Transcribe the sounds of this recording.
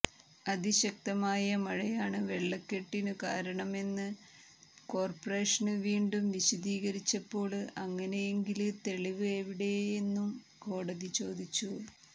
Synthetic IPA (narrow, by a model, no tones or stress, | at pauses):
ɐðiɕɐk̚t̪ɐmaːjɐmɐɻɐjaːɳɨʋe̞ɭːɐkːe̞ʈːinɨkaːɾɐɳɐme̞nːɨ | ko̞ːrpɐre̞ːʂɐnɨʋiːɳɖumʋiɕɐðiːɣɐɾit͡ɕːɐpːo̞ːɭɐŋːɐne̞jeŋɡilɨt̪e̞ɭiʋɨeʋiɽe̞enːum | ko̞ːɽɐðit͡ɕo̞ːd̪it͡ɕːu